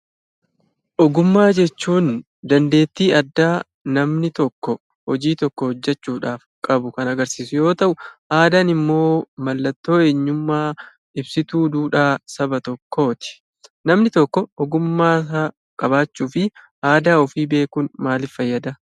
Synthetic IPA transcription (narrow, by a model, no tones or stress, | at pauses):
ʔɔɡʊmːaːd͡ʒɛt͡ʃːuːn | d̪ɐnd̪e̞ːt̪ːiːɐd̪ːaː | nɐmnɪt̪ɔkːɔ | hɔd͡ʒiːt̪ɔkːɔhɔd͡ʒːɛt͡ʃːuːᶑaːfkʼɐbʊkɐnɐɡɐɾsiːsʊjo̞ːt̪ɐʔʊʔaːd̪aːnɪmːo̞ːmɐlːɐt̪ːo̞ːe̞ːɲːʊmːaː | ɪbsɪt̪uːd̪uːᶑaːsɐbɐt̪ɔkʰːoːt̪ɪ̥ | nɐmnɪt̪ɔkːɔɔɡʊmːaːsaː | kʼɐbaːt͡ʃːuːfɪ | ʔaːd̪aːɔfiːbe̞ːkuːnmaːlɪfɐjːɐd̪ɐ